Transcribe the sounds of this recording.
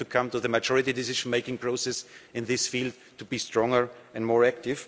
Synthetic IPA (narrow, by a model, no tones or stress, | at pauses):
tukʰʌ̃mtuðəmad͡ʒɔɹɪtidɪsɪʒ̃nmeɪkɪ̃ŋpʰɹ̥oʊsɛsɪ̃nðɪsfild̚ | tubistɹɔ̃ŋə˞ɛ̃nmɔɹæktɪv̥